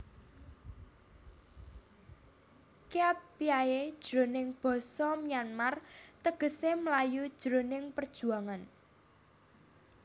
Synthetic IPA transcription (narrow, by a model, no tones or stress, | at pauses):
keat̪̚piajed̥ʒ̥ɾonɪŋb̥ɔ̤sɔmianmart̪əɡ̥ə̤semlajud̥ʒ̥ɾonɪŋpərd̥ʒ̥ṳaŋan